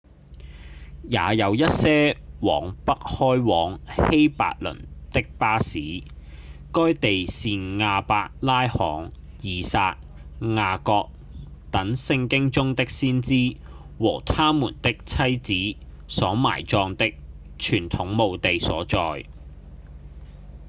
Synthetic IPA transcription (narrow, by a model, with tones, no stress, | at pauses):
jaː˨˧jɐ˨˧wjɐ˥t̚sɛː˥wɔ̰ː˨˩ŋpɐ˥k̚hɔː˥jwɔː˨˥ŋhe˥jpa̰ː˧k̚lɵ̰˨˩nt̪ɪ˥k̚paː˥siː˨˥ | kɔː˥jt̪e˨jsiː˨nŋaː˧paː˧k̚laː˥jhɔː˨˥ŋ | jiː˨˧saː˧k̚ | ŋaː˧kɔː˧k̚ | t̪ɐ˨˥ŋsɪ˧ŋkɪ˥ŋt͡sʊ˥ŋt̪ɪ˥k̚siː˥nt͡siː˥ | wɔː˨˩t̪ʰaː˥muː˨˩nt̪ɪ˥k̚t͡sʰɐ˥jt͡siː˨˥ | sɔː˨˥ma̰ː˨˩jt͡sɔː˧ŋt̪ɪ˥k̚ | t͡ʃʰyː˨˩nt̪ʰʊ˨˥ŋmo˨wt̪e˨jsɔː˨˥t͡sɔː˧j